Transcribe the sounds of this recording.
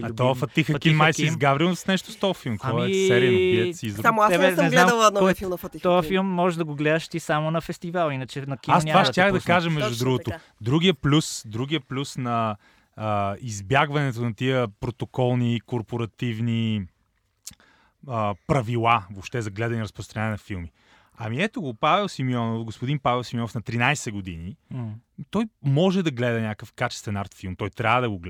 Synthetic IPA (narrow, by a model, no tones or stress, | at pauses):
ɐt̪ɔəfɐt̪ixəkʲinmajsizɡavɾilsnɛʃt̪o̥st̪ɔjfilˠmkɔjɛsɛɾiɐnɐpiɛsiːzd̪ɾmɛɛnɛznamɔfifit̪ɔjɐfilˠmːɔʒɛʒd̪ɐɡoɡlɛd̪ɐʃt̪isamonɐfɛst̪ivalˠinət͡ʃɛnɐkiasnʲvaʃt̪t̪ʲjaxd̪ɐkaʒɐmɛʒd̪udd̪ɾuɡʊt̪o | d̪ɾuɡ̟ijəplʲusd̪ɾuɡiəplʲusnɐ | izbjaɡvɐnɛt̪onɐt̪iəpɾot̪okɔlˠnikoɾpoɾɐt̪ivni | əpɾɐvilˠavopʃt̪ɛzɐɡlɛd̪ɐniɾəspɾost̪ɾɐnɲanɛnɐfilˠmi | ɐmiɛt̪oɡopavɛlˠsimjɔnofɡospʊd̪inpavɛlˠsimjɔnofnɐt̪ɾinajsɛɡod̪ini | t̪ɔjmɔʒɛd̪ɐɡlɛd̪ɐnʲakəfkat͡ʃɛ̥st̪vɛnaɾt̪filˠmt̪ɔjt̪ɾʲaəd̪ɐɡoɡ